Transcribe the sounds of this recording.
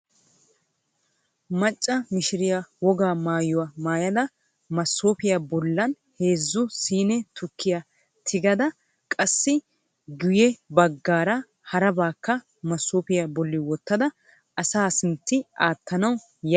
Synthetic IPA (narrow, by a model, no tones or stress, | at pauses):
mɐt͡ʃʼːɐmɪʃɪɾɪjawɔɡaːmaːjʊwamaːjɐd̪ɐ | mɐsːoːpɪjabɔlːɐn | he̞ːzːʊsiːnɛt̪ʰʊkʰːɪja | t̪ʰɪɡɐd̪ɐ | kʼɐsːɪ | ɡʊjɛbɐɡːaːɾɐ | hɐɾɐbaːkːɐ | mɐsːoːpɪjabɔlːɪwɔt̪ːɐd̪ɐ | ʔɐsaːsɪnt̪ːɪʔaːt̪ːɐnɐw | jɐ